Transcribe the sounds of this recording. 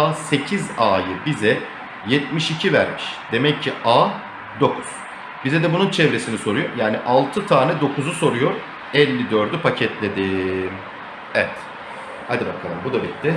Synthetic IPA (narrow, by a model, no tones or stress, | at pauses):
aːse̞cʰizaːjɯbizɛ | jɛt̪miʃicʰivæ̰ɾmiʃd̪̥e̞mɛcʰːiʔaː | d̪o̞kʰuz̥ | b̥izɛd̪ɛbununt͡ʃʰɛvɾe̞siniso̞ɾujo̞ɾjaːniʔalˠt̪ʰɯt̪ʰaːnɛd̪o̞kʰuzuso̞ɾujo̞ɾ | ɛlʲːid̪øɾd̪ypʰacʰɛt̪ʰlʲed̪im | ɛvɛt̪ | ha̰d̪ibakʰalˠɯmbud̪abit̪d̪ːɪ